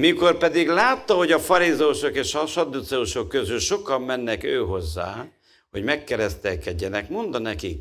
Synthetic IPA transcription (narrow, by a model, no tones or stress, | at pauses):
miko̞rpɛd̪iɡlaːt̪ːɒho̞ɟɒfɒɾizɛuʃokeːʃɒʃɒd̪ut̪sɛuʃo̞kːøzylʃo̞kɒmːɛnːɛkøːɦo̞zːa̰ː | ho̞ɟmɛkːɛɾɛst̪ɛlkɛɟːɛnɛkmo̞nd̪ɒnɛkik